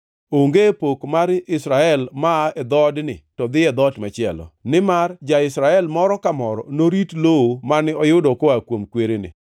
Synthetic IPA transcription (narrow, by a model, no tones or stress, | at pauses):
oŋɡepokmaɾɪsɾaɛlmaɛd̪ɔdnɪtɔd̪ɪɛd̪ɔtmat͡ʃɪɛlɔ̰nɪmard͡ʒaɪsɾaɛlmɔɾɔkamɔɾɔ̰noɾitloomanɪɔjʊdɔkoakwomkweɾenɪ̰